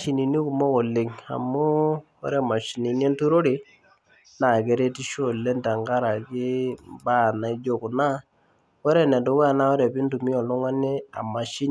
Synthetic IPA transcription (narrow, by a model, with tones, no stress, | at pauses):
ʃi˨ni˨ni˦ku˨mo˦ko˨lɪ˨ŋa̰˨mʊ˦ | ɔ̰˦ɾe˦ma˨ʃi˨ni˨n˦e˦ntu˦ɾo˦ɾi˨ | na˨ke˨ɾe˦ti˦ʃo˦˨le˦nta˨ŋɡa˦ɾa˨kɪ˦ba˦˨na˨i˦d͡ʒo˦˨kʊ˨na˦ | ɔ˦ɾe˦˨nɛ˨do˨˦wɛ˦a˨na˦ɔ˦ɾɛ˨bɪ˦ntu˨mi˦ɔ˨lʊ˦ŋa˦nɪ˦a̰˨ma˨ʃi˦n˨